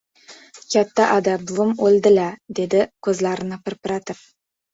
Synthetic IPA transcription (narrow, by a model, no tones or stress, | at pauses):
kʲʰat̪ːaʔɑd̪abʊmɵld̪ɪlæd̪ed̪ɪkʲʰɵzlæɾɪnapɪɾpɾɑt̪ɪp̚